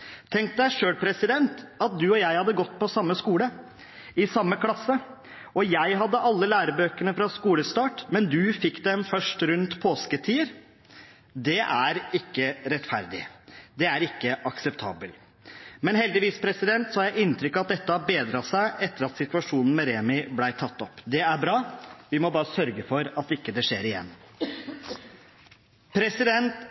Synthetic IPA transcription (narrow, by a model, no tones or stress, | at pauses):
t̪ʰɛŋkt̪̚d̪æɪʂøːɽpʰɾɛsɪd̪ɛnt̪ɑt̪̚d̪ʉɔjæɪhɑd̪ːəɡɔt̪ːpʰɔsɑmːəskuːlə | ɪsɑmːəkʰlɑsːə | ɔjæɪɦɑd̪ːəʔɑlːəlæːɾəbøːkəɳəfɾɑskuːləst̪ɑːʈmɛnd̪ʉfɪkːd̪ɛmfœʂʈɾʉnt̪pʰoːskət̪ʰiːəɾ | d̪ɛʔæɾɪkːəɾɛt̪fæ̰ɾd̪ɪ̰d̪ɛæɾɪkːəʔɑksɛpt̪ʰɑːbəl | mɛnhɛld̪ɪʋiːspʰɾɛsɪd̪ɛnt̪sɔhɑɾjæɪɪnːt̪ɾʏkːɑt̪̚d̪ɛt̪ːəhɑɾbeːd̪ɾɑsæɪʔɛt̪ːəɾɑt̪sɪt̪ʉɑʂuːnn̩mɛɾeːmɪblæɪt̪ʰɑt̪ːɔpːd̪ɛæɾbɾɑːʋɪmɔbɑːɾəsœɾɡəfɔɾɑt̪ːɪkːəd̪ɛʂeːɾɪjɛ̰nː | pʰɾɛsɪd̪ɛnt̪